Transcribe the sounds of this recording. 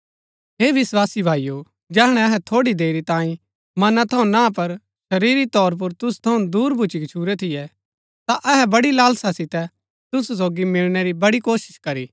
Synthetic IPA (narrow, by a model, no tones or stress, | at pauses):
ɦeːʋɪswaːsibʱaːijo | d͡ʒɛːɦɽ̃ɛɐɦɛt̪ʰoːɽid̪eːɾit̪ãːĩ | mɐnat̪ʰɐũnãːpɐɾ | ʃɐɾiːɾit̪ɔːɾp̬ʊɾt̪ʊst̪ʰɐũd̪uːɾbʱʊt͡ʃikɪt͡ʃʰuːɾɛt̪ʰɪjɛ | t̪aʔɛɦɛbɐɽilaːlsasɪt̪ɛ | t̪ʊsus̬oːɡimɪlɽ̃ɛɾibɐɽikoːʃɪ̥ʃkɐɾiː